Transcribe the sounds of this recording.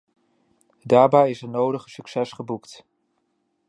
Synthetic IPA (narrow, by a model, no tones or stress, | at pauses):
daːɹbɛjɪsɛɹnowdəχəsyksɛsχəbukt